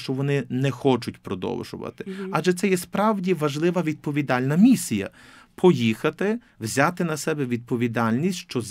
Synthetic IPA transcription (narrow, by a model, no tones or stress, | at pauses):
t͡ʃɔʋɔnɪnɛxɔt͡ʃʊtʲpɾɔd̪ɔ̰wʒʊ̰ʋɐ̰t̪ɪ̥ɑʒɛt̪sɛjɛspɾɑwdʲiʋɐʒlˠɪʋɐʋʲid̪̚pɔʋʲid̪ɑlʲnɐmʲisʲijɐ̰ | pʰɔjixɐt̪ɪ | wzʲɑt̪ɪnɐsɛbɛʋʲid̪̚pɔʋʲid̪ɑlʲnʲisʲtʲʃt͡ʃɔz